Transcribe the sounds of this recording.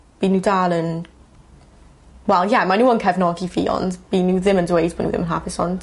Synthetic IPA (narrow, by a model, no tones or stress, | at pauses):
b̥iːnːuːdaːlˠən | wɛlˠjamanuːənkʰɛvnɔɡiviːɔ̰ndb̥iːnːuːðɪməndwejdb̥ɔnṵːðɪ̰mənɦapʰɪsɔnd̥